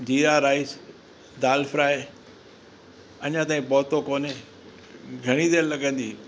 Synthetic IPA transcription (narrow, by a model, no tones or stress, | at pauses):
d͡ʑiːaːɾaːis | d̪aːlfɾaːe | ɐɲãt̪aːĩpɔːt̪okoːne | ɡʱɐɽ̃id̪eːɾlɐɡʱə̃nd̪iː